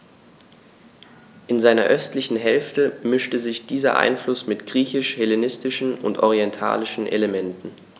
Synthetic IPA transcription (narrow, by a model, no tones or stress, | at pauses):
ʔɪnzaɪnɐ̰ʔœstlɪçn̩ɦɛlftəmɪʃtəzɪçd̥iːzɐ̰ʔa̰ɪnflʊsmɪtɡ̥ʁiːçɪʃhɛlenɪstɪʃn̩ʊ̰ntʔɔʁiɛntʰa̰ːlɪʃn̩ʔḛləmɛntn̩